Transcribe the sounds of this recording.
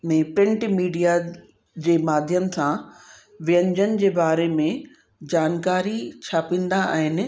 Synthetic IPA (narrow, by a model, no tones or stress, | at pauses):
mẽpɾɪ̃ɳʈmiːɖija | d͡ʑeːmaːd̪ʱjəm̆t̪ʰã | ʋɪjə̃ɲd͡ʑənɪ̆d͡ʑeːbaːɾemẽ | d͡ʑaːnkaːɾit͡ɕʰaːpĩːn̆d̪aa̰ːɦɪnɪ̆